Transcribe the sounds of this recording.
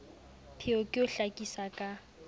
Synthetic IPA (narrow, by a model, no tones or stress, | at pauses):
pʰɪɔkʼɪʊɬakʼisakʼa